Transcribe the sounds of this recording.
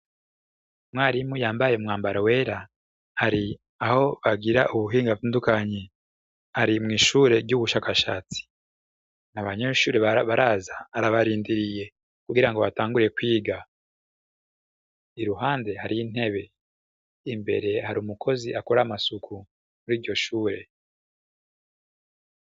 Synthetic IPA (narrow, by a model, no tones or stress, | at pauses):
mŋwaːɾimujaːmbajeumŋaːmbaɾawe̞ːɾa | haɾi | aho̞βaɡiɾaʔuβuɦiːŋɡatuːndukaɲe | haɾimŋiːʃuɾe̞ɾɟuβuʃaːkaʃaːt͡si̥ | naβaɲe̞ʃuːɾeββaɾaːzaːɾaβaɾiːndiɾije̞ | kuɡiɾaŋɡo̞βataːŋɡuɾije̞kwiːɡa | iɾuɦaːnde̞haɾijin̥he̞βe̞ | imbe̞̰ɾe̞haɾuːmukʰo̞ziʔakoɾamasukʰu | muɾiːɾɟo̞ʃuːɾe̞